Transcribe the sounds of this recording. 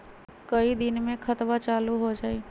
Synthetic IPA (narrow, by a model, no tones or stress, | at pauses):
kəid̪ɪnmẽkʰɐt̪ʋat͡ʃaːluɦod͡ʒaːiː